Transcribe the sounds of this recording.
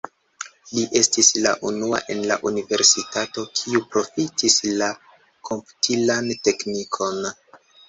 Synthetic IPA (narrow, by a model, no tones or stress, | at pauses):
liʔe̞stislaʔunua̰ʔe̞nla̰ʔunive̞ɾsitato̞kʰiupɾo̞fitisla | kʰo̞mpu̥tʰilante̞knikʰo̞n